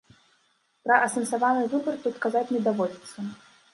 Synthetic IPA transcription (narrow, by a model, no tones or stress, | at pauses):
pɾɐʔɐsɐnsavanɨvɨbɐrt̪ut̪kazat͡sʲnʲɛd̪avɔd͡zʲit̪sːɐ